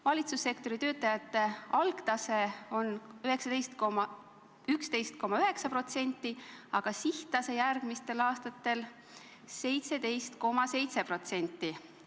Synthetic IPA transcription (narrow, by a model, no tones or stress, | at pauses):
vɑlʲit̪susːe̞kt̪o̞ɾit̪øːt̪ːˑɑjɑt̪ːˑe̞ɑlkt̪ɑse̞o̞nøɦe̞ksɑd̪̥e̞jst̪komɑ | ykst̪e̞jst̪̚ko̞mɑyɦe̞ksɑpro̞t̪se̞nt̪ːˑiɑɡ̥ɑsiht̪ɑse̞jærɡ̥mist̪e̞lɑːst̪ɑt̪ːe̞l | se̞jt̪se̞d̪e̞jst̪ko̞mɑse̞jt̪se̞pro̞t̪se̞nʲt̪ːˑi